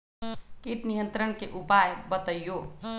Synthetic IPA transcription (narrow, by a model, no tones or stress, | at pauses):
kiʈnijə̃nt̪ɾəɳkeʔupajbət̪əjjo